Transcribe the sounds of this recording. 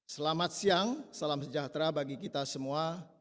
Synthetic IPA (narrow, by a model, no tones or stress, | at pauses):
səlamat̪̚siaŋsalamsəd͡ʒat̪ɾabaɡikit̪asəmua